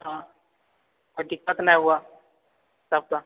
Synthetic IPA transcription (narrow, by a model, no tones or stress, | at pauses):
ɦã | koʈ̪ikːət̪najɦua | sab̚t̪a